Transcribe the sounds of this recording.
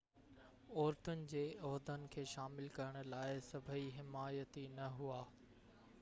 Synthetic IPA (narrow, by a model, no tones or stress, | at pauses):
ɔːɾt̪ʊnɪ̆d͡ʑeːɔɦd̪ənɪ̆kʰeːʃaːmɪlkɐɾəɽ̃ʊ̆laːɪsɐbʱəiɦɪmaːjət̪inɐɦuaː